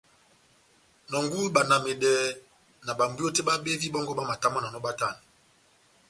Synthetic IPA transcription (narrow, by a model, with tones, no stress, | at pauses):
nɔ˨ŋɡu˦ba˨na˨me˨dɛ˨˦ | na˨ba˨mbjo˦te˦ba˦be˦vi˦bɔ˦ŋɡɔ˦ba˦ma˨ta˦mɔ˦na˨nɔ˦ba˦ta˦˨ni˨